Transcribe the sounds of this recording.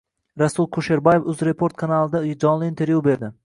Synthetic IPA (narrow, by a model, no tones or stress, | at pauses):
ɾasʊlˠkʰoʃe̞ɾbɒje̞fʊzɾe̞pʰo̞ɾt̪kʰanalˠɪd̪ad͡ʒɒnlˠɪːnt̪ʰe̞ɾvjube̞ɾd̪ɪ